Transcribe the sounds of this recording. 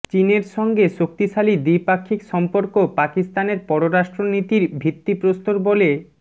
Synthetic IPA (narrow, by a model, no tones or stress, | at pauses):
t͡ɕineɾʃɔŋɡeʃokt̪iʃalid̪ipakʰːikʃɔmpoɾkopakist̪aneɾpɔɾoɾaʃʈɾonit̪iɾbʱit̪ːipɾost̪oɾbole